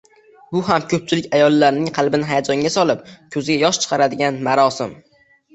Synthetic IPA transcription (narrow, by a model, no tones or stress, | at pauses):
bʊɦamkʲʰɵp̚t͡ʃʰɪlɪkʲajɒlˠːaɾnɪŋqʰɑlˠbɪnɪɦajad͡ʒɒŋɡʲasɒlɪp̚kʲʰɵzɪɡʲajɒʃt͡ʃʰɨ̥qʰɑɾad̪ɪɡʲanmaɾɒsɪm